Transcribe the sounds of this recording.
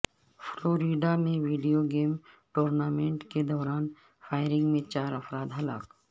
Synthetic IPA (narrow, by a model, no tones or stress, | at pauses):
fʰloːɾiːɖamẽʋiːɖijoɡeːmʈoːɾnaːmẽɳʈked̪ɔːɾaːn | fʰaːɪɾɪ̃ŋɡmẽt͡ʃaːɾɐfɾaːd̪ɦɐla̰ːk